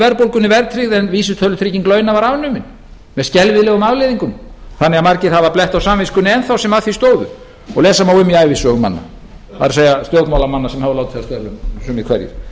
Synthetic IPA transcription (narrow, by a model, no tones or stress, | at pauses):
vɛɾpowlkʏnɪvɛɾt̪ʰɾiɣðɛnviːsʏt̪ʰœlʏt̪ʰɾiːcɪŋkløːɥnavaɾavnʏmɪn | mɛðscɛlvɪðlɛɣʏmaðlejðiŋkʏmθanːɛɣamaɾcɪθaðvaɾplɛht̪awsamvɪskʏnɪɛnθawsɛmaðθi̥st̪oːwðʏ | ɔɣlɛːsamawʏmiaːjvɪsœɣʏma̰nːa̰ | va̰ɾsejast̪jœwt̪mawlamanːasɛmhavlawt̪θɛast̪ɛɾðʏmsʏmɪkʰvɛ̰ɾjɪ̰ɾ̥